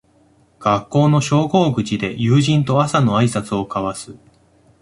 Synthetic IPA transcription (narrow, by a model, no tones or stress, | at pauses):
ɡ̥akːo̞ːno̞ɕo̞ːɡo̞ːɡɯ̟t͡ɕid̪e̞jɯːʑĩnt̪o̞asano̞aisat͡sɨo̞kaβasɨ